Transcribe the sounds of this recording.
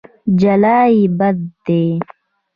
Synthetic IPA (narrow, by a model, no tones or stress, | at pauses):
d͡ʒɐlaːibɐd̪d̪e